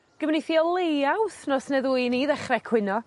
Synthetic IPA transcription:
ɡ̥əvneθiɔlˠejawsnɔsnɛðuːiniðɛχrɛkʰwɪnɔ

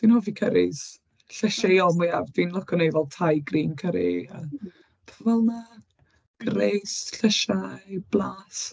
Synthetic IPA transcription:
d̥inɔvikʰəɾɪz | ɬɛʃaɔlˠmɨavdinlˠɔkʰɔnejvɛlˠtʰajɡriːnkʰəɾḭə | pʰavɛlˠma | ɡ̥ɾejsɬəʃab̥laːs

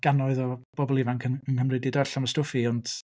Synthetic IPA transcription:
ɡ̥anɔɨðɔb̥ɔbɔlˠivankʰəənhəmrɨdidɔɬamɔstʊfiɔnd̥

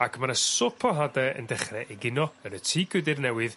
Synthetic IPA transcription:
akʰmanasɔpʰɔɦadɛə̰ndɛχrɛʔeɡɪnɔənətʰiːɡʰɨdɪrnɛwɨð

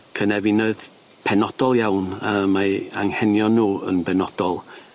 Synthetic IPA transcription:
kʰənɛvinəɨð | pʰɛnɔd̥ɔlˠjawnəmaaŋhɛnjɔnuːə̰nbɛnɔd̥ɔlˠ

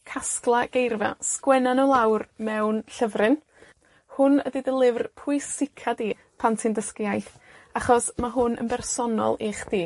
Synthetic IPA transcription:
kʰasklˠaɡ̥ejrva̰skwɛnanɔlˠawrmɛwnɬəvrɨn | hʊnədidəlˠɪvrpʰʊɨsɪkʰadi | pʰantʰɪndəskjajθ | aχɔsmaɦʊnə̰nbɛrsɔnɔ̰lˠiχd̥iː

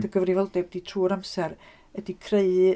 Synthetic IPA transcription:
ðəɡəvrɪvɔlˠdɛb̚d̥itʰruːɔɾamsɛɾ | ədikʰreɨ

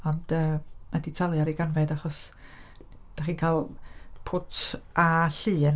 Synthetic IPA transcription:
ɔnd̥əːaditʰalˠjaɾiɡanvɛdaχɔs | d̥aχiːnkʰaːlˠpʰʊtʰʔaɬɨːn

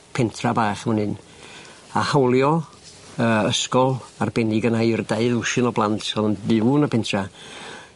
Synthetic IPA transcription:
pʰɪntʰrabaːχəmənɨn | ahawlˠjɔ | əːəskɔlˠarbɛniɡənajrdeɨðʊʃɪnɔblˠantʰsɔðənðɪwnəpʰɪntʰra

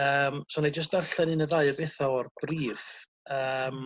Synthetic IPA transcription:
əːmsonejd͡ʒəs̬tdarɬɛninəðaɨəbɛθɔɔrb̥riːð̥ | əːm

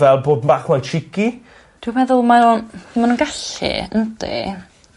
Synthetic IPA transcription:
vɛlˠboːdmaːχmajt͡ʃʰɪkʰi | d̥wuwmɛðʊlˠmaɾonmanuːnɡaɬɛ̰əntḛ

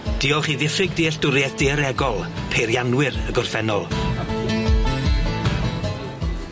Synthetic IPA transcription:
d̥iːɔlˠχiːðɪfɪɡdiːɬd̥ʊɾjɛθd̥eəɾɛɡɔlˠpʰeɾjanwɪrəɡɔrfɛnɔlˠ

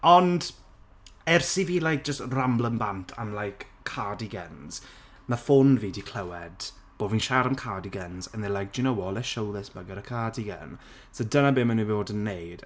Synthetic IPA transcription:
ɔnd | ɛrsiviːlajk̚d̥d͡ʒ̥əstramblˠəmbantʰa̰mlˠajkʰː | adiɡɛnz̥ | mafʊnviːdikʰl̥əwɛd̥ | b̥oːdvinʃaɾəmkʰaːdiɡənzənɛlajk̚d͡ʒinəwɔlˠɛʃowðɛsməɡəɾəkʰaːdiɡə̰n | sodənabeːmənuvoːdənːejd̥

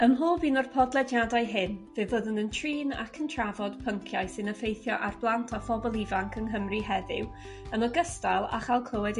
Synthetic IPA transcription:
əmɦoːbiːnɔrpʰɔdlˠɛdjadajɦɪnvɨvəðənəntʰriːna̰kʰəntʰravɔdpʰəŋkʰjajsɪnəfejθjɔʔarblˠantʰafɔbɔlˠivaŋkʰəŋɦəmriɦɛðɪ̰w | ənɔɡəstalˠa̰χalˠkʰlˠəwɛd

